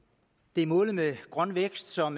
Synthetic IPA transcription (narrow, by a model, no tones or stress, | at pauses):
d̥e̝æɐmɔ̽ːləmeɡ̥ʁɶnʋeɡ̥sd̥sɒ̽m